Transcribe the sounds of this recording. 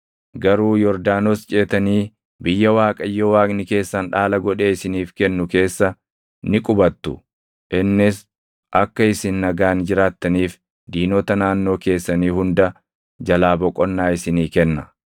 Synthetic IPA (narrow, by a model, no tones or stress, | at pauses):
ɡɐɾuːjɔɾd̪aːnost͡ʃʼe̞ːt̪ɐniː | bɪjːɐwaːkʼɐjːowaːkʼnɪke̞ːsːɐnᶑaːlɐɡɔᶑe̞ːɪsɪniːfkɛnːʊke̞ːsːɐ | nɪkʼʊbɐt̪ːʊ | ʔɪnːɪs | ʔɐkːɐɪsɪnːɐɡaːnd͡ʒɪɾaːt̪ːɐniːf | d̪iːnoːt̪ɐnaːnːo̞ːke̞ːsːɐniːhʊnd̪ɐ | d͡ʒɐlaːbɔkʼːɔnːaːɪsɪniːkɛnːɐ